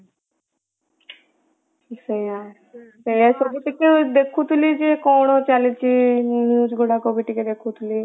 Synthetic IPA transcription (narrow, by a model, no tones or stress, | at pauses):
səia | səiasobiʈiked̪ekʰut̪ulid͡ʒikoɽot͡ʃalit͡ʃʰinud͡ʒɡuɽakobiʈiked̪ekʰut̪ʰuli